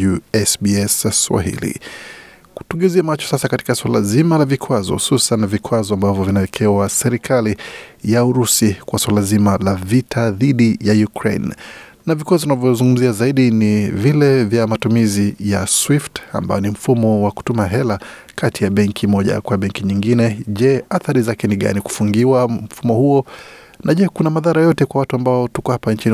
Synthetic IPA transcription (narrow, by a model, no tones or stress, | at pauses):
uɛsbiɛswa̰ɦḭlḭ | ku̥tuŋɡɛziamat͡ʃɔ̥sasakati̥kaswalazimalavikʰwazɔ̰hususanːavikwazɔambavjɔvinaɛkʰɛwasɛɾikʰalijauɾusikwaswalazimalavitʰaðiɗijajukɾḛnː | avikwazɔunavjɔzuŋɡum̩ziazaiɗinivilɛvjamatumizijaswifta̰mba̰jɔnim̩fumɔwaku̥tumaɦɛla | kʰatijaɓɛŋkʰimɔʄa̰kwaɓɛŋkiɲiŋɡinɛʄɛaθaɾizakɛniɠa̰niku̥fuŋɡiwam̩fumɔhuɔ | nʔaʄɛkunamaðaɾajɔtɛkwawatuambaɔtukɔhapant͡ʃini